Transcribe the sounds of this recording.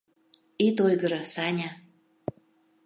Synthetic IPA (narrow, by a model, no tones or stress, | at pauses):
it̪ojɣə̆ɾɤ̆sɑnʲɑ